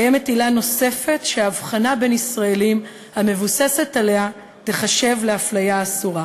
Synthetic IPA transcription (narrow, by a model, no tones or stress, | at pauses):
jemetilano̞se̞fe̞tʃeaːvχanabe̞nisʁaelim | hame̞vuse̞se̞tale̞a | deχaʃe̞vleaflajaːsuʁa